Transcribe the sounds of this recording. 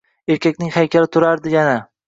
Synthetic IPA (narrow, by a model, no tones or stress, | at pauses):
e̞ɾkʲakʲnɪŋhajkʲʰaɾɪt̪ʰʊɾaɾd̪ɪjana